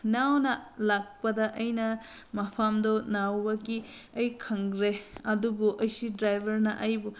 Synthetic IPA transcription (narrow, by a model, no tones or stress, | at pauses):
nawnɐlak̚pɐdɐʔɐjnɐ | mɐpʰamdonawbɐki | ɐjkʰɐŋɾeɐdubuʔɐjsidɾajbʱɐɾnɐʔɐjbu